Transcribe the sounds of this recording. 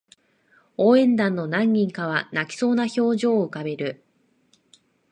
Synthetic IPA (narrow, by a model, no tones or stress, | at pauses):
oːẽ̞nd̪ãnːo̞nãŋːʲĩŋkaβ̞anakʲi̥so̞ːnaço̞ːʑo̞ːɯ̟kabe̞ɾɯ̟